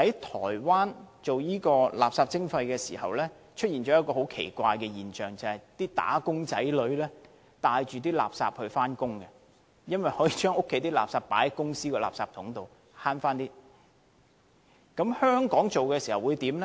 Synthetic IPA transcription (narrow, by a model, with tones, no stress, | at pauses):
hɐ˨˥jt̪ʰɔ̰ː˨˩jwaː˥nt͡ʃo˨wjiː˥kɔː˧la̰ː˨p̚saː˧p̚t͡sɪ˥ŋfɐ˧jkɛː˧siː˨˩hɐ˨wlɛ˥ | t͡ʃʰɵ˥t̚iː˨˩nt͡ʃɔː˨˥jɐ˥t̚kɔː˧ho˨˥wkʰḛ˨˩jkʷaː˧jkɛː˧jiː˨˩nt͡ʃœː˨ŋt͡sɐ˨hɐ˨˩jt̪iː˥t̪a̰ː˨˥kʊ˥ŋt͡sɐ̰˨˥jlɵ˨˥ɥlɛː˥ | t̪aː˧jt͡ʃyː˨t̪iː˥la̰ː˨p̚sa̰ː˧p̚hɵ˧ɥfaː˥nkʊ˥ŋkɛ˧ | jɐ˥nwɐ˨jhɔː˨˥jiː˨˧t͡ʃœː˥ŋʊ˥kʰːe˨˥jt̪iː˥la̰ː˨p̚saː˧pːaː˨˥jɐ˧˦kʊ˥ŋsiː˥kɔː˧la̰ː˨p̚saː˧p̚t̪ʰʊ˨˥ŋt̪o˨w | haː˥nfaː˥nt̪iː˥ | kɐ˨˥mhœː˥ŋkɔː˨˥ŋt͡so˨wkɛː˧siː˨˩hɐ˨wu˨˧jt̪iː˨˥mlɛ˥